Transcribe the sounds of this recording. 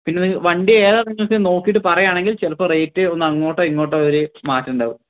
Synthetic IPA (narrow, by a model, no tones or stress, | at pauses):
pinːeniŋːʋɐɳɖieːðaːriŋːɐlkino̞ːkːijiʈːɨpɐrɐjaːɳe̞ŋɡilt͡ɕelɐpːɐreːk̚ʈːɨonːɐŋːo̞ːʈːeiŋːo̞ːʈ̬ːeoɾumaːtːɐuɳɖaːʋu